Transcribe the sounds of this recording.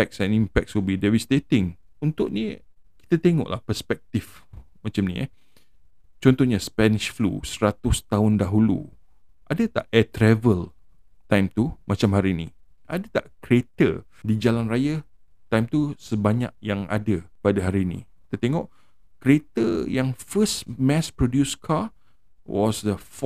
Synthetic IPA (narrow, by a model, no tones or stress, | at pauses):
ɛk̚sɛ̃nimpɛk̚subidevisdet̪ɪŋ | unt̪ʊʔni | ki̥t̪at̪eŋɔ̰ʔla̰hpəspɛk̚t̪if | mat͡ʃamnḭ | t͡ʃɔnt̪ɔhɲaspɛniʃflṵsəɾat̪ʊst̪aʊndaɦulṵ | ʔadət̪aʔɛt̪ɾɛvəl | t̪ajmt̪umʔat͡ʃamhaɾini | ʔadət̪aʔkɾiet̪ə̰did͡ʒalanraja | t̪ajmt̪usəbaɲa̰k̚jaŋa̰dəpadaɦaɾiːnḭ | t̪ət̪eŋɔʔ | kɾiet̪əjaŋfəsmɛspɾodjuskʰa | wɔsdəf